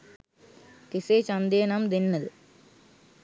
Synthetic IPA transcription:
t̪ɪseːt͡ʃɐnd̪eːnaːmd̪ɪnːɐðɯ

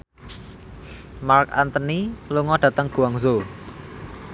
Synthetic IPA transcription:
mark̚a̰nt̪əniluŋɔɖ̥ä̤t̪əŋɡ̥ṳaŋzo

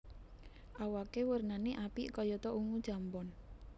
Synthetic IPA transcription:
ʔawakewərnaneʔapiʔkɔjɔt̪ɔʔuŋud̥ʒ̥a̤mbɔn

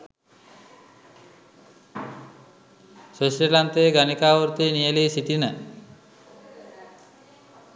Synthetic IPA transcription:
sosɾelant̪eɡanikaʋoɾt̪inijelisiʈina

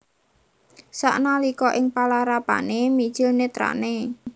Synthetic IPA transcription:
sa̰ʔnalikɔʔɪŋpalaɾapa̰nemid̥ʒ̥ɪlnet̪ɾa̰ʔne

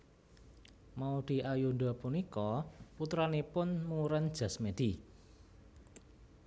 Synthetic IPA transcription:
maud̪̥i̤ʔajuɳɖ̪ɔ̤punikɔput̪ɾanepʊnmuuɾənd̥ʒ̥a̤smed̪̥i

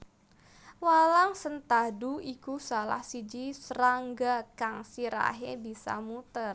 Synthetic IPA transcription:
walaŋsənt̪aduikusala̰hsid͡ʒisəɾaŋɡakaŋsiɾa̰ɦebisa̰mut̪ər

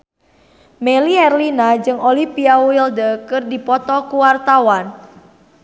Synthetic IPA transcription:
mɛliɛrlinad͡ʒɨŋolipiawildəkɨrdipɔt̪ɔkuwart̪awan

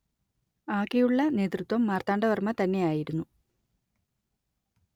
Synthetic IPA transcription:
aːkːejuɭːɐne̞ːt̪rɨt̪wɐmːaːrt̪aːɳɖɐʋɐrmɐt̪ɐnːe̞jaːjiɾunːu

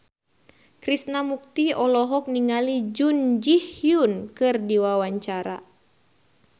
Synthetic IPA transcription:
kɾisnamuk̚t̪iɔlɔɦɔk̚niŋalid͡ʒund͡ʒihjunkɨrdiwawaɲt͡ʃaɾa̰

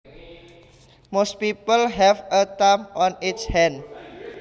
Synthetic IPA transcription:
mos̚pipəlɦɛvət̪amʔɔnitshɛ̃n

